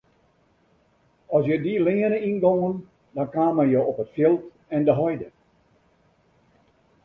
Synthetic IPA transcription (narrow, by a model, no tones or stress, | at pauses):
ɔsjədilɪənəinɡoŋən | dɔnkaːməjoɔpətfelˠt | ɛndəɦɔjdə